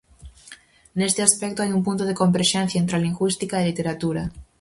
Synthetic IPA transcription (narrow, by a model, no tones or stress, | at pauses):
nest̪easpek̚t̪oajumpunt̪oð̞eko̞mbeɾʃẽnθjaent̪ɾaliŋɡwist̪ikaelit̪eɾat̪uɾa